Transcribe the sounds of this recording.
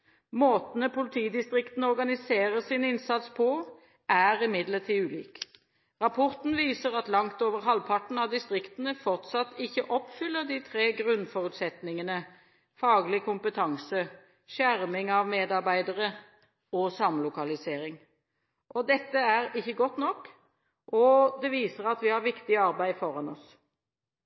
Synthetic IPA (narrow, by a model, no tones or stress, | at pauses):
moːt̪nəpʰʊlɪt̪ʰiːd̪ɪst̪ʁɪkt̪n̩əɔʁɡɑnɪseːʁəsinɪnsɑt̪spʰɔ | ʔæːʁɪmɪd̪ləʁt̪ʰiːʉːlḭːk | ʁɑpʰɔʁt̪n̩ʋiːsəʁɑt̪lɑŋt̪oːʋəʁɦɑlpʰɑʈn̩ɑʋd̪ɪst̪ʁɪkt̪n̩əfɔʁt̪sɑt̪ːɪçːəʔɔpfʏlːəʁd̪it̪ʰʁeːɡʁʉnfɔʁʉt̪sɛt̪nɪŋənə | fɑːɡlɪkʰʊmpət̪ʰɑŋsə | ʃæʁmɪŋɑʋmeːd̪ɑʁbæɪd̪əʁə | ɔsɑmlʊkɑlɪseːɾɪŋ | ʔɔd̪ɛt̪ːəæʁɪçːəɡɔt̪nɔkː | ʔɔd̪ɛʋiːsəʁɑt̪ʋɪhɑɾʋɪkt̪ɪɑʁbæɪfɔʁɑnɔs